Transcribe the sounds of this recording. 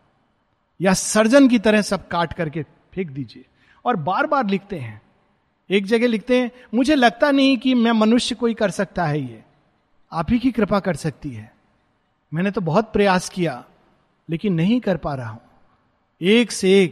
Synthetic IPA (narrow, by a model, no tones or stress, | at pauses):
jasɐɾd͡ʒənk̬it̪ɐɾəɦsɐb̚kaːʈkɐɾke | pʰeːk̚d̪iːd͡ʒieː | ɔːɾbaːɾbaːɾlɪkʰt̪eɦɛ̃ː | eːk̚d͡ʒɐɡelɪk̚ʰt̪eɦɛ̃ | mʊd͡ʒʱelɐɡ̚t̪anɐɦĩkimɛ̃ːmɐnʊʃjəkoːikɐɾsɐk̚t̪aɦɛjeː | aːpɦikikɾɪpakɐɾsɐk̚t̪iɦɛː | mɛ̃ːnet̪obɐɦʊt̪̚pɾɐjaːskija | leːkɪnːɐɦĩkɐɾpaːɾaɦũː | eːkseːk